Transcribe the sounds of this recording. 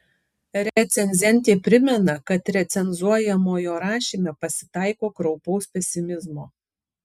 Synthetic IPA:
ɾʲɛt̪sʲɛnʲzʲɛnʲt̪ʲeːpʲɾʲɪmʲɛnɐkɐt̪ɾʲɛt̪sʲɛnzuɔjɛmoːjoːɾɑːʃʲimʲeːpɐsʲɪ̥t̪ɑɪkoːkɾɒʊpɐʊspʲɛsʲɪmʲɪzmoː

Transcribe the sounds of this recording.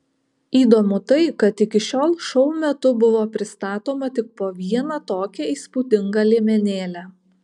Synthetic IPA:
iːd̪oːmʊt̪ɐɪkɐt̪ɪkʲɪʃʲoːlˠʃɔʊmʲɛt̪ʊbʊʋoːpʲɾʲɪst̪ɑːt̪oːmɐt̪ʲɪk̚poːʋʲiɛnɐt̪oːkʲɛiːspuːt̪ʲɪŋɡɑlʲeːmʲɛnʲeːlʲæ

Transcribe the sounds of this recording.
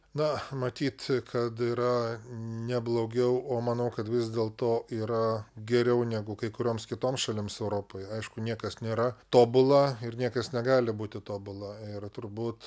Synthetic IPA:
nɐmɐt̪ʲiːt̪kʰɐt̪iːɾɐnʲɛblˠoːɡʲɛʊoːmɐːnɐʊkɐt̪ʋʲɪzd̪ʲeːlˠt̪oːiːɾɐɡʲɛɾʲɛʊnʲæːɡʊkɐɪkʊɾʲoːmskʲɪt̪oːmsʃɐlʲɪmsɛʊɾoːpoːjɐɪʃkʊnʲiɛkɐsnʲeːɾɐt̪oːbʊlˠɐɪrnʲiɛkɐsnʲɛɡɑːlʲɪbuːt̪ʲɪt̪oːbʊlˠɐɪrt̪ʊɾbuːt̪

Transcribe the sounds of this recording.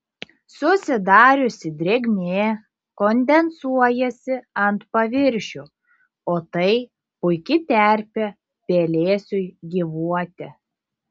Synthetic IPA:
sʊsʲɪd̪ɑːɾʲʊsʲɪd̪ʲɾʲeːɡʲnʲeː | kɔnʲd̪ʲɛnsuɔjɛsʲɪɐnt̪pɐʋʲɪɾʲʃʲʊ | oːt̪ɐɪ | pʊɪkʲɪt̪ʲɛˑɾʲpʲɛ | pʲeːlʲeːsʲʊɪɡʲiʋuɔt̪ʲɛ

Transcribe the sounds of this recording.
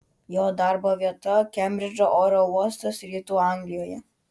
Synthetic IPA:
joːd̪ɑɾboːʋʲiɛt̪ɐkʲɛmʲbʲɾʲɪd͡ʒoʔoːɾoːuɔst̪oːsʲɾʲiːt̪uːɑˑŋɡlʲɪjoːjɛ

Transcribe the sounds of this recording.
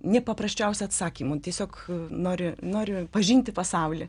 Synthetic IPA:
nʲɛpɐpɾɐsʲt͡ʃʲɛʊsʲɪɐt̪sɑːkʲiːmʊt̪ʲiɛsʲoːknoːɾʲɪnoːɾʲɪpɐʒʲiːnʲt̪ʲɪpɐsɑʊlʲɪ

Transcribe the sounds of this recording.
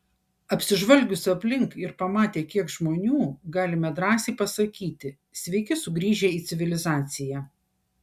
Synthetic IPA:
ɐpʲsʲɪʒʋɐlʲɡʲʊsʲɐpʲlʲɪŋkɪɾpɐmɑːt̪ʲeːkʲiɛkʒmoːnʲuːɡɑːlʲɪmʲɛd̪ɾɑːsʲɛɪpɐsɐkʲiːt̪ʲɪ | sʲʋʲɛɪkʲɪsʊɡɾʲiːʒʲeːiːt̪sʲɪʋʲɪlʲɪzɑːt̪sʲɪjæː

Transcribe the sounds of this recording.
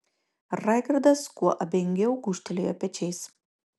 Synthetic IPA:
ɾɑˑɪɡɾd̪ɐskuɔʔɐbʲɛŋʲɡʲɛʊɡuːʃʲt̪ʲɛlʲejoːpʲɛt͡ʃʲɛɪs

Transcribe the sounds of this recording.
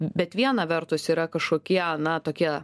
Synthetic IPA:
bʲɛt̪ʋʲiɛnɐʋʲɛɾt̪ʊsiːɾɐkɐʃkoːkʲiɛnɐt̪oːkʲiɛ

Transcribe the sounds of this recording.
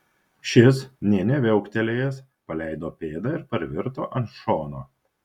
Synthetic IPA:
ʃʲɪsnʲɛnʲɛʋʲɛʊkt̪ʲɛlʲeːjɛs | pɐlʲæɪd̪oːpʲeːd̪ɑˑɪɾpɐɾʲʋʲɪɾt̪o̰ːʔɐnʃoːnoː

